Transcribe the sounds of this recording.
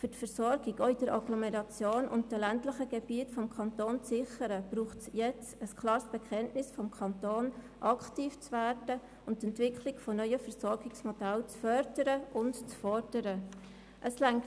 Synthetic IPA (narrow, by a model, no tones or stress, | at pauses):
fʏtfəɾsɔɾɡ̥iɡoidəɾʔɑɡlɔmɛɾɑt͡sjoːnʔʊ̰ntd̥ɛlæntləχəɡ̥ɛb̥iətfɔmkʰɑnt̪oːnt͡sɪχəɾəb̥ɾuːχtsjɛt͡səskʰlɑːɾsb̥ɛkʰɛntnɪsfɔmkʰɑntoːn | ʔɑktiːft͡svæːɾd̥ə | ʊnttɛntvɪkʰlɪkfɔnœʏəfəɾsɔɾɡɪksmɔd̥ælt͡sfœɾdəɾəʊntt͡sfɔɾd̥əɾə | ʔəslæŋ